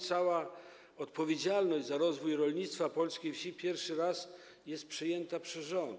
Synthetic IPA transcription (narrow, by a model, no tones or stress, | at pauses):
t̪sawa | ɔt̪pɔvʲjed͡ʑalnɔʑd͡ʑzaɾɔzvujɾɔlɲit̪st̪fapɔlskʲijfɕipʲjɛɾfʂɘɾas | jɛst̪̚pʂɘjɛnt̪apʂɛzʐɔnd̪